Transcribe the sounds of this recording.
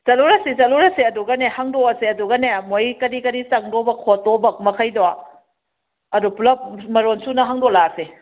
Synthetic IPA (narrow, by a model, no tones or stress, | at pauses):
t͡ʃɐluɾɐsizɐluɾɐseɐduɡɐnehaŋdoɐseɐduɡɐnemojkɐɾikɐɾisɐŋdobɐkʰotobɐk̚mɐkʰɐjdoa | ɐduplɐp̚mɐɾonsunɐɦaŋdolase